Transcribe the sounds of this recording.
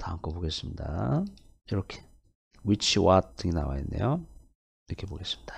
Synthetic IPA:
taɦankʰopoɡe̞s͈ɯmɲida̰ | iɾʌkʰe̥ | wit͡ɕʰiwatt͈ɯɡina̰wa̰inːe̞̰jo | iɾʌkʰe̞boɡe̞s͈ɯ̥mɲid̥a

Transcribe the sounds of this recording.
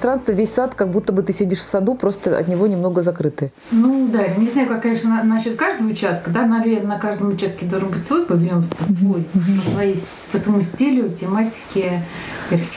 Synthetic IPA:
t̪ɾanst̪vəvʲesʲsat̪kaɡ̚but̪ːəbɨt̪ɨsʲedʲɪʂfsɐd̪upɾo̞st̪əɐ̰t̪nʲɪvo̞nʲɪmnoɡəzɐkɾɨt̪ɨ | nud̪anʲɪznajʊkakːɐnʲeʂnənɐnɐɕːo̞t̪kaʐd̪əvəʊt͡ɕæst̪̚kəd̪anɐvʲeɾnənɐkaʐd̪əmʊt͡ɕːast̪kʲɪd̪olˠʐɨnbɨtʲsvo̞jpəvʲɪnʲonpəsvojpəsvɐjej | pəsvɐmusʲtʲilʲʊtʲɪmatʲɪ̥kʲɪ | pʲersʲ

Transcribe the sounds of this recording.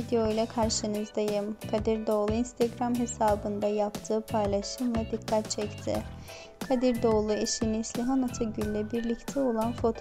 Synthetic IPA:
id̪eo̞jlˠakʰaɾʃɯnɯzd̪ajɯmkʰad̪iɾd̪o̞ːlˠuinst̪ʰaɡɾamɦe̞saːbɯnd̪ajapt̪ʰɯːpʰajlˠaʃɯnlad̪ikʰːat̪̚t͡ʃʰɛct̪ʰɪ̰ | kʰad̪iɾd̪o̞lˠuiʃinislʲiɦanat̪ʰaɟylʲlʲɛbiɾlʲict̪ʰɛo̞lˠanfo̞t̪ʰ

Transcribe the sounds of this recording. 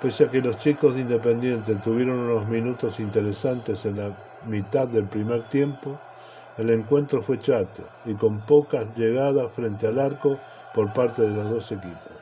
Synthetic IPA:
peseakelo̞st͡ʃiko̞zðind̪epe̞nd̪je̞nt̪et̪uβje̞ɾo̞nuno̞zmĩnut̪o̞sint̪eɾesant̪e̞se̞nla | mit̪aðːe̞lpɾimeɾt̪je̞mpo | ele̞ŋkwe̞nt̪ɾo̞fwe̞t͡ʃat̪o̰ | iko̞mpo̞kaʒeɣ̞aðafɾent̪ealaɾko̞ | po̞ɾpaɾt̪eðe̞lozðo̞se̞kipo̥s

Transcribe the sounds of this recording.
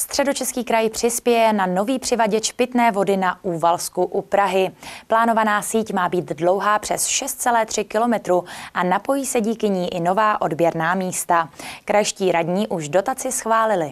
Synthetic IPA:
st̪r̥ɛdo̞t͡ʃɛskiːkɾajpr̝̥ɪspjɛjɛnano̞viːpr̝̥ɪvaɟɛt͡ʃpɪt̪nɛːvo̞dɪnaʔuːvalskuʔupɾaɦɪplaːno̞vanaːsiːcmaːbiːt̪dlo̞wɦaːpr̝̥ɛsʃɛst̪̚t͡sɛlɛːt̪r̥ɪkɪlo̞mɛt̪ɾuʔanapo̞jiːsɛɟiːkɪɲiːʔɪno̞vaːʔo̞dbjɛɾnaːmiːst̪akɾajʃciːɾadɲiːʔuʃdo̞t̪at͡sɪsxvaːlɪlɪ

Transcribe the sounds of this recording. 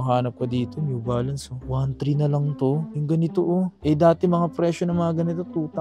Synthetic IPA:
ɦaːnɐp̚kɐd̪iːt̪onjubaːlɐnsowant̪ɾinɐlɐŋt̪o̞jʊŋɡɐnɪt̪oʔoʔɛd̪aːt̪ɪmɐŋapɾɛːʃonɐŋmɐŋaɡɐnɪt̪ot̪uːt̪ɐ

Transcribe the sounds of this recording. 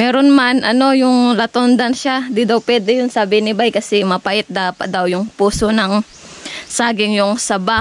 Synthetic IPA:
mɛːɾo̞nmanʔɐno̞jʊŋlɐt̪ond̪ɐnʃad̪ɪd̪awpwɛːd̪ɛjʊnsaːbɪnɪbajkɐsɛmɐpɐʔɪt̪̚d̪aːpɐt̪̚d̪ɐwjʊŋpuːsonɐŋ | saːɡɪŋjʊŋsɐba

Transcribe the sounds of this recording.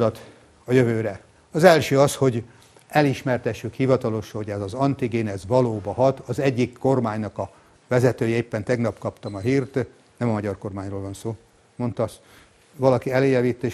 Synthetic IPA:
d̪ɒt̪ | ɒjøvøːɾɛ | ɒzɛlʃøːɒsho̞ɟ | ɛliʃmɛrt̪ɛʃːykhivɒt̪ɒlo̞ʃɒhoɟɛzɒzɒnt̪iɡeːnɛzʋɒloːbɒɦɒt̪ɒzɛɟːikːo̞rmaːɲnɒkɒ | vɛzɛt̪øːjɛeːpːɛnt̪ɛɡnɒpkɒpt̪ɒmɒɦiːrt̪ | nɛmɒmɒɟɒrko̞rmaːɲroːlvɒnsoː | mo̞nt̪ɒs | vɒlɒkiɛleːjɛviːt̪ːeː

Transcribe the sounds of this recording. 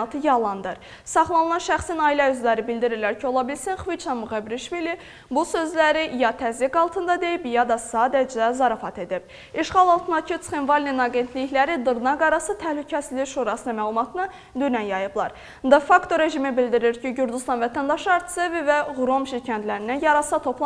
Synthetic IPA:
ɑt̪ʰɯjɑlˠɑnd̪ɯɾ | sɑχlˠɑnɯlˠɑnʃæχsinɑilæyzlæɾibild̪iɾiɾlæɾcʰio̞lˠɑbilsinχvit͡ʃɑmuʁebɾiʃvili | busø̞zlæɾijɑt̪ʰæzikɑlˠt̪ʰɯnd̪ɑd̪e̞jibjɑd̪ɑsɑːd̪æd͡ʒæzɑɾɑfɑt̪ʰe̞d̪ib̥̚ | iʃχɑlˠɑlˠt̪ʰɯnd̪ɑcʰit̪sχenvɑlʲninɑɡe̞nt̪ʰliçlæɾid̪ɯɾnɑɡɑɾɑsɯt̪ʰæhlycʰæsiziʃuɾɑsɯnɯmæːlˠumɑt̪ʰɯnɯ | d̪ynænjɑjɯblˠɑɾ | d̪efɑkt̪ʰo̞ɾe̞ʒimibild̪iɾiɾciɟyɾd͡ʒ̪yst̪ɑnvæt̪ʰænd̪ɑʃɯɑɾt̪ʰi̥sevivæɣuɾo̞mʃicʰænt̪ʰlæɾinænjɑɾɑsɑt̪ʰo̞pʰlˠɑ

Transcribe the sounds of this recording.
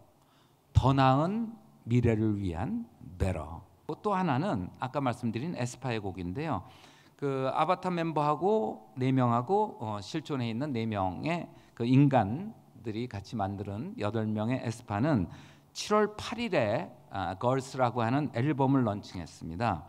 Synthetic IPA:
tʌnaɯn | miɾe̞ɾɯɭɥiɦa̰nbe̞ɾʌ̰ | kot͈ohananɯnak͈amaɭs͈ɯmdɯɾine̞̰sʰɯ̥pʰaeɡoɡinde̞jo | kɯa̰batʰame̞mbʌɦaɡone̞mjʌŋɦaɡoʌɕʰiɭt͡ɕʰone̞inːɯnːe̞mjʌŋe̞kɯinɡan | dɯɾikat͡ɕʰimandɯɾɯnjʌdʌɭmjʌŋeʔesʰɯ̥pʰanɯn | t͡ɕʰiɾwʌɭpʰaɾiɾe̞kʌɭs͈ʰɯɾaɡoɦanɯne̞ɭbʌmɯɭːʌnt͡ɕʰiŋɦe̞̰s͈ɯmɲida

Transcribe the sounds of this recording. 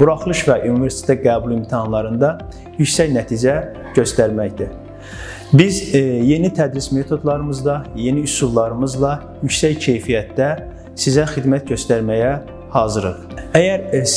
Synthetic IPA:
b̥uɾɑχlˠɯʃvæʔunive̞ɾsit̪e̥t̪ʰæɡæːbulˠimt̪ʰihɑnlˠɑɾɯnd̪ɑ | jycsæjnæt̪ʰid͡ʒæ | ɟø̞st̪æɾmæçd̪i | bizje̞nit̪ʰæd̪ɾisme̞t̪ʰo̞d̪lˠɑɾɯmɯzd̪ɑje̞niysulˠlˠɑɾɯmɯzlˠɑ | jycsæjcʰe̞jfijæt̪d̪æ | sizæxid̪mæt̪ɟø̞st̪æɾmæjæ | hɑzɯɾɯɾ | æjæɾ

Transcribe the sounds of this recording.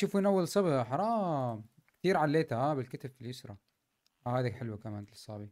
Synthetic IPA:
ʃuːfuːnʔawːalsˤɑbiʔaħɑɾˤɑːm | kt̪iːɾʕalːeːt̪ahaːbɪlkɪt̪abfilʔʊsɾˤɑ̰ | ahaːd̪aħɪlwakamaːnt̪sˤːɑ̰ːbi

